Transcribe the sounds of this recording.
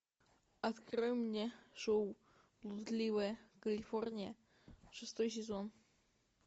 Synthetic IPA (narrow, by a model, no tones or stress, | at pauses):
ɐt̪krɨmnʲeʂow | lˠud̪lʲiʋəjəkɐlʲiforʲnʲijə | ʂɨst̪ojs̬ʲɪzon